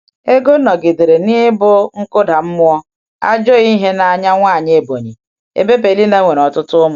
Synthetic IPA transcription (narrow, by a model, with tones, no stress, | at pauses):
e˦ɡo˦nɔ˨ɡe˨de˨ɾe˨ni˦bʊ˦ŋ̩˦kʊ˦da˨m̩˦mʊ˦ɔ˦ | a˦d͡ʒo˦ɣi˦ɦe˦na˨a˨ɲa˦ŋʷa˦˨ɲe˦˨bo˨ɲi˨ | ḛ˦be˦pe˨li˦na˦ŋʷe˨ɾɔ˨tʊ˦tʊ˦mʊ˨